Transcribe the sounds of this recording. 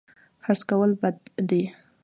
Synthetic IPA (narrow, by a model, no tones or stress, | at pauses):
xaɾt͡skawəlbad̪d̪e